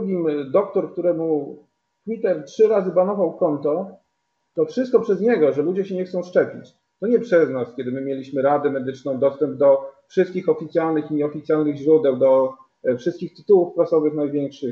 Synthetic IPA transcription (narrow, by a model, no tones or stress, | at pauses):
d̪uɡʲimd̪ɔk̚t̪ɔɾk̚t̪uɾɛmu | t̪wʲit̪ɛɾtʂɘɾazɘbanɔvawkɔnt̪ɔ | t̪ɔfʂɘst̪kɔpʂɛzɲɛɡɔʐɛlud͡ʑɛɕɛɲɛxt̪sɔ̃w̃ʂt͡ʂɛpʲit͡ɕ | t̪ɔɲɛpʂɛznaskʲɛd̪ɘmɘmʲjelʲiɕmɘɾad̪ɛmɛd̪ɘt͡ʂnɔ̃w̃d̪ɔst̪ɛmb̚d̪ɔfʂɘst̪kʲixɔfʲit̪sʲjalnɘxiɔfʲit̪sjalnɘɣʑɾud̪ɛwd̪ɔ | fʂɘst̪kʲixt̪ɘ̥t̪uwufpɾasɔvɘxnajvʲjɛŋkʂɘ